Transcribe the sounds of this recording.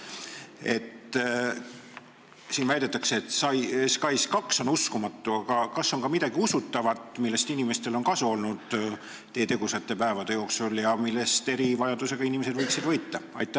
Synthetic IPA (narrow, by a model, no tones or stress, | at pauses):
e̞t̪ | siːnvæjd̪̥e̞t̪ːˑɑkseːt̪ˑsɑjskɑjskɑkso̞nuskumɑt̪ˑːuɑɡ̥ɑkɑsːo̞ŋkɑmid̪̥ɑɡ̥iusut̪ːˑɑvɑt̪ˑmilːe̞st̪inime̞st̪e̞lo̞nkɑsuo̞lnud̪̥ː | eːet̪e̞ɡ̥usɑt̪ːˑe̞pæevɑd̪e̞jo̞ːksuljɑmilːe̞st̪e̞ɾivɑjɑd̪use̞ɡɑinimese̞d̪vɤjksid̪vɤjt̪ːɑɑ̰jt̪ːˑæ